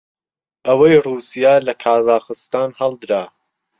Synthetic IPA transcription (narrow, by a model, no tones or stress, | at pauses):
ʔɐwɐjruːsijaːlɐkʰaːzaːχɨst̪aːnhɑlˠd̪ɨɾaː